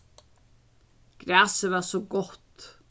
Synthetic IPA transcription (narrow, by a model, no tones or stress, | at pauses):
ɡ̥ɾaːsɪvasɔɡɔht̪